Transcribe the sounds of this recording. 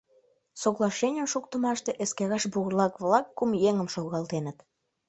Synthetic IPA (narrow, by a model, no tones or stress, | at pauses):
soɣlɑʃenʲəmʃuk̚t̪əmɑʃt̪eʔeskæɣɑʃbuɣərlɑkβlɑkːumjeŋəmʃoɣɑlt̪enət̪